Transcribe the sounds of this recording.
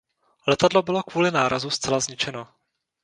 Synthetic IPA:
lɛt̪adlo̞bɪlo̞kvuːlɪnaːɾʔazust͡sɛlazɲɪt͡ʃɛno̞

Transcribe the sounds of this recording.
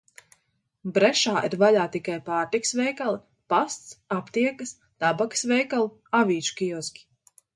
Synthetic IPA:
bɾɛʃaːʔiɾvaʎaːt̪ikajpaːɾt̪ikə̥svɛjkalˠi | past̪sapt̪iɛkɨs | t̪abakə̥svɛjkalˠ | avʲiːt͡ʃu̥kʲiɔskʲi̥

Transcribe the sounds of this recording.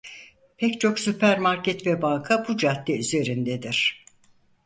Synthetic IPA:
pʰɛct͡ʃʰo̞ksypʰæɾmaɾcʰɛt̪vɛbaŋkʰabud͡ʒat̪ːɛyze̞ɾind̪ed̪iɾ̥

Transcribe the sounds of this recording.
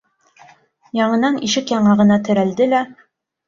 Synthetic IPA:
jɑɴɤ̆nɑniʃɘkjɑɴɑʁɤ̆nɑt̪ɘ̆ɾæld̪ɘlæ

